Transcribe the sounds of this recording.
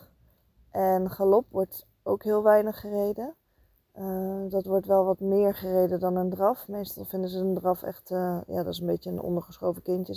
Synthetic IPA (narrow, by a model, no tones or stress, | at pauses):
ʔɛnχalɔpʋɔɹt | owkɦɪːlˠʋɛjnəχːərejdə | ədɑtʋɔɹtʋɛlˠʋɑtmɪːɹχərejdədɑnəndrɑfmejstɑ̰lˠvɪndəzəəndrɑfɛ̰χtəja̰ːdɑtɪsənbejtəənɔ̰ndəɹχəsχowvəkɪntə